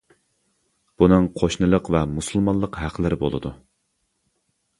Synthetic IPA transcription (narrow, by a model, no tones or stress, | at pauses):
b̥unɨŋqʰoʃnɨlˠəqvɛmusɨlˠmɑnlˠːəqɦæqʰlɪɾɪbo̰lˠɨ̰d̪u